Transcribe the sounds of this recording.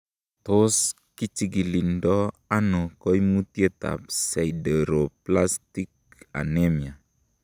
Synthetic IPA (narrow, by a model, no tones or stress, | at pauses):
t̪os | kit͡ʃiɡilindɔ | anokɔjmut̪jet̪a̰p̚sajdɛɾoplast̪ik̚a̰nɛmia